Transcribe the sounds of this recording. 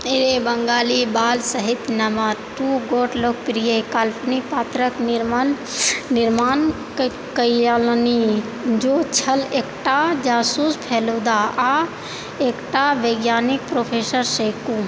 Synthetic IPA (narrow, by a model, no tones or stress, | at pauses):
eɾebɐŋɡaːlibaːlsəɦɪt̪nɐməɾʈuːɡoːʈlok̚pɾijekaːlpʰnipaːt̪ɾəknɾmn | nɪɾmaːn | kəalni | d͡ʒot͡ʃʰɐleːkʈad͡ʒaːsuːspʰeːlod̪aːa | eːkʈaʋeɡjaːnik̚pɾoːpʰeːsəɾsejku